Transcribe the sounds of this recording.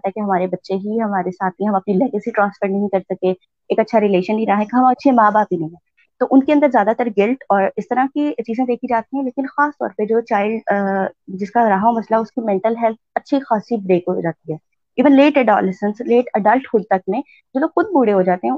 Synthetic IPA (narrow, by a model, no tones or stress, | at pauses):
t̪aɦɛkeɦɐmaːɾebɐtːʃeɦiɦɐmaːɾesaːt̪̚ʰĩɦɐmɐpnilɛɡɪsiʈɾãːnsfəɾnɐɦĩkɐɾsɐke | eːkɐtːʃʰaɾɪleːʃənbʱiɾɐaɦaɦɛ̃kɦɐmaɐtːʃʰemaːbaːpinɐɦĩɦɛ̃ː | t̪oːʔʊnkeɐ̃nd̪əɾzjaːd̪at̪əɾɡɪlʈɔːɾɪst̪ɐɾakit͡ʃiːzẽd̪eːkʰid͡ʒaːt̪iɦɛ̃leːkɪnxaːst̪ɔ̰ːɾpəd͡ʒoːt͡ʃaːɪlɖ | d͡ʒɪskaɾaːɦaomɐslaɦɛʊskimɛ̃ɳʈəlɦɛlt̪ʰɐtːʃʰixaːsibɾeːkɦod͡ʒaːt̪iɦɛː | iːʋənleːʈɛɖɔ̰ːlɪsə̃nsleːʈɐɖəlʈhʊlt̪ɐk̚nẽ | d͡ʒoːloːɡxʊd̪̚buːɽeɦod͡ʒaːt̪eɦɛ̃